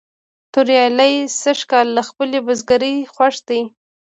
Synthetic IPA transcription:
t̪ʊɾjɑlajsəʃkɑlːaxpəlebazɡaɾəjxwaʂd̪aj

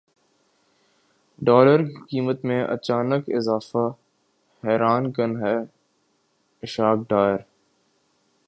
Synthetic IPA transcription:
ɖɔːləɾkikiːmət̪mẽʔɐ̰t͡ʃaːnəkɪ̰zaːfa | hɛːɾaːnkənɦɛː | ɪʃaːk̚ɖaːjəɾ

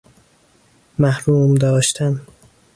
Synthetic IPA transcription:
mæhɾuːmd̪ɒːʃt̪ʰæm

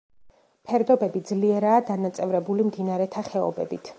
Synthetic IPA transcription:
pʰɛɾd̪ɔbɛbid̪zliɛɾaːd̪anat̪sʼɛvɾɛbulimd̪inaɾɛt̪ʰaχɛɔ̰bɛ̰bit̪ʰ

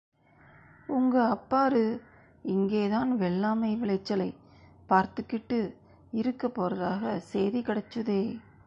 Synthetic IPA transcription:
ʊŋɡɐɐpːaːɾɯ | ɪŋɡeːðaːnʋɛɭːaːmɐɪʋɪɭɐɪt͡ʃːɐlɐɪ | paːɾt̪ɯkːɪʈːɯ | ɪɾɯkːɐpːoːɾɐðaːɣɐseːðikɪɽɐt͡ʃːɯðeː

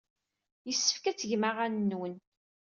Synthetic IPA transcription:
jəsːə̥fkæt͡sːəʝmaʁanːuwən

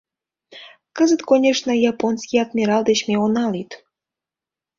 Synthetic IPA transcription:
kəzət̪konʲeʂnəjɑponskʲijɑt̪mʲiɾɑlˠd̪et͡ɕmʲeonɑlit̪

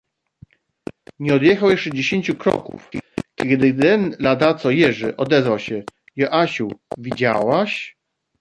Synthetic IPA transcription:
ɲɛɔd̪jɛxawjɛʂt͡ʂɛd͡ʑeɕeɲʲt͡ɕukɾɔ̰kṵfkʲɛd̪ɘɛnlad̪at̪sɔjɛʐɘʔɔd̪ɛzvawɕɛ | jɔʔaɕuvʲid͡ʑa̰waɕ

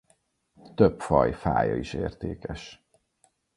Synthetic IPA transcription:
t̪øpfɒjfaːjɒiʃeːrt̪eːkɛʃ

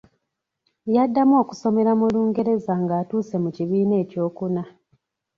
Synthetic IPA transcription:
jadːamo̞ːku̥so̞me̞ɾamuluːŋɡe̞ɾe̞zaŋɡaːtuːse̞muciβiːne̞ːco̞ːkuna

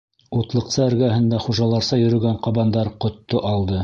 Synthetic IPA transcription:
ut̪lˠɤ̆qsɑɘ̆ɾɡæɦɘ̆nd̪ɑχuʒɑlˠɑɾsɑjɵ̆ɾɵ̆ɡæɴqɑβɑnd̪ɑɾqŏt̪ːoʔɑlˠd̪ɤ

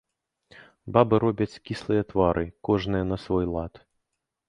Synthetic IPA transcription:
babɨɾɔbʲɐt͡sʲkʲislˠɨjɐt̪vaɾʔɨkɔʐnɨjɛnɐsvɔjlˠat̪

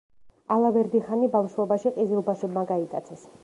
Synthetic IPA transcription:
alˠavɛɾd̪iχanibamʃuɔbaʃiqʼizilˠbaʃɛbmaɡaikʼat̪sʰɛs

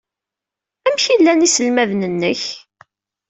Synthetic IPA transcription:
æmçilːænisəlmæðnənːəç

